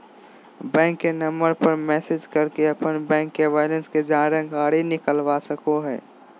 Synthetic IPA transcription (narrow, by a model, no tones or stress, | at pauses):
bɛ̃ːŋkːenəmbəɾpəɾmɛːsɪd͡ʒkəɾkeɐpənbɛ̃ːŋkːeʋaːɪlə̃nsked͡ʒãːɾə̃ɡʱaːɽinɪkəlʋasəkoɦɛ̰ː